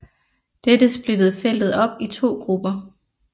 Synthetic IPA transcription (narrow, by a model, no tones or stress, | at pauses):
d̥ed̥əsb̥lid̥ð̞̩ˠfel̰d̥ð̞̩ˠɒ̽b̥it͡sʰo̝̰ːɡ̥ʁub̥ɐ